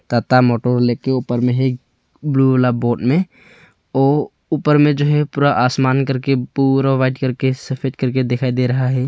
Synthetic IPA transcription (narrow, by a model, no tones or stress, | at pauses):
t̪aːt̪amɔːʈoːɾleːkeuːpəɾmẽɦɛ | bluːʋlaboːʈmẽ | ɔː | uːpəɾmẽd͡ʒoːɦɛpuːɾaʔaːsmaːnkəɾkepuɾaʋaːɪɖkəɾkesəfʰeːɖkəɾked̪ekʰaːid̪eɾɐɦaɦɛː